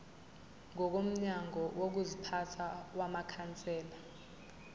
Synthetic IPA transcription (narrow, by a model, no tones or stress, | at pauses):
ŋɔk̬om̩ɲaŋɔwok̬uzipʰatʰawamakʰant͡sʼɛːla